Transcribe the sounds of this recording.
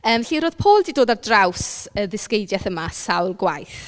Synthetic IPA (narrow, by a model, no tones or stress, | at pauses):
əːmɬiɾoːð̥pʰoːlˠdiːdoːdardrawsəðɪskejdjɛθəmasawlˠɡwajθ